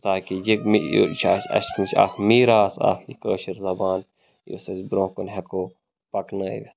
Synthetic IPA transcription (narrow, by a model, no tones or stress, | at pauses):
t̪aːkijikmijo̰t͡ʃʰaːsɐ̰ʃnit͡ʃʰʲa̰ːfmiːɾaːsa̰ːfjikəːʃɐɾzɐbaːn | jo̰sɐsbɾõːkonɦɐkoː | pɐknɐḭʋes